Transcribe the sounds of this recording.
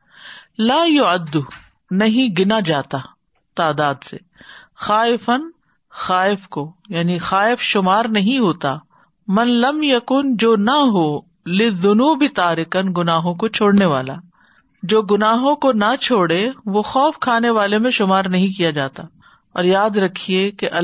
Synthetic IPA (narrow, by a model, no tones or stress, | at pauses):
laːjʊɐd̪ːʊ | nɐɦĩɡɪnad͡ʒaːt̪aː | t̪aːd̪aːd̪sḛ | xaːɪfɐn | xaːɪfkojaːnixaːɪfʃʊmaːɾnɐɦĩɦoːt̪aː | mɐnlɐmjɐkʊnd͡ʒoːnɐɦoː | lɪðːʊnuːbɪt̪aːɾɪkənɡʊnaːɦõkot͡ʃʰoːɽneʋaːla̰ː | d͡ʒoːɡʊnaːɦõkonɐt͡ʃʰoːɽeʋoxɔːfkʰaːneʋaːlemẽʃʊmaːɾnɐɦĩkijad͡ʒaːt̪a | ɔ̰ːɾjaːd̪ɾɐkʰiekeʔɐ